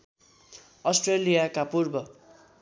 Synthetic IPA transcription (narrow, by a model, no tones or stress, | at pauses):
ʌsʈrelijakapurbʌ